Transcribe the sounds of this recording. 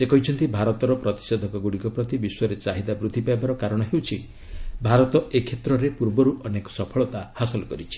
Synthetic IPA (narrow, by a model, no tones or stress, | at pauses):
sekɔɦit͡ʃʰɔnt̪ibʱaɾɔt̪ɔɾɔpɾɔt̪i̥sed̪ʱɔkɔɡuɽikɔpɾɔt̪ibiswɔɾet͡ʃaɦid̪abɾud̪ʱːipaebaɾɔkaɾɔɽ̃ɔɦewt͡ʃʰi | bʱaɾɔt̪ɔekʰet̪ɾɔɾepuɾbɔɾuʔɔnekɔ̥sɔpʰɔɭɔt̪ahasɔlɔkɔɾit͡ʃʰi̥